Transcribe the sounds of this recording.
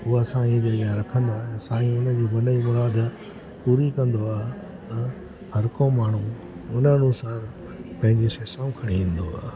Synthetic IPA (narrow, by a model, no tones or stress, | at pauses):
ʊɦoɐsãĩd͡ʑɐɡaɾɐkʰə̃nd̪oaːɦẽsaːiĩʊnəd͡ʑiːbɐnəimʊɾaːd̪ | puːɾikɐ̃nd̪oaːɦe | t̪ɐ | hɐɾkõmaːɳ̤ũ | ʊnəɐnusaːɾ | pɐ̃ɦɪ̃ɲd͡ʑeʃeːsãːũkʰɐɽ̃iĩːn̆d̪oa̰ː